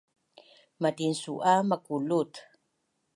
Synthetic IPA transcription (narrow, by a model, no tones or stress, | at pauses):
madinsuʔamakulut